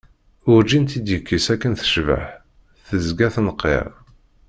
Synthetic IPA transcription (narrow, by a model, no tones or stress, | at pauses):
ʊɾd͡ʒint̪id̪jəkːisækːənθə̥ʃvə̰ħ | θəzɡæθnəqːḛʁ